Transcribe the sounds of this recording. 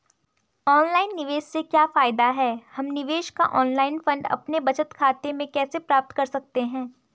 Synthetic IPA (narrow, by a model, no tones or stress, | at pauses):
ɔːnlaːɪnːɪʋeːʃsekjaːfaːɪd̪aɦɛːhɐmnɪʋeːʃka̰ʔɔːnlaːɪnfɐ̃ɳɖɐ̰pnebɐt͡ʃət̪kʰaːt̪emẽkɛːsepɾaːp̚t̪kɐɾsɐk̚t̪eɦɛ̃ː